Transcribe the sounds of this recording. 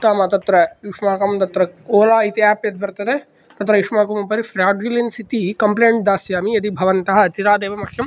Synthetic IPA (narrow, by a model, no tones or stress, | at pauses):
t̪aːmɐt̪ɐt̪ɾɐjiʂmaːkɐmt̪ɐt̪ɾɐoːlaːit̪iɛːpjɐt̪̚bɐɾt̪ɐd̪eː | t̪ɐt̪ɾɐjiʂmaːkumɐpɐɾifɾaːwɖilinsit̪ikɐmpleːɳʈ̚d̪aːsjaːmiɐt̪ibʱɐʋɐnt̪ɐɦɐt̪iɾaːd̪eːʋɐmɐkʰjɐm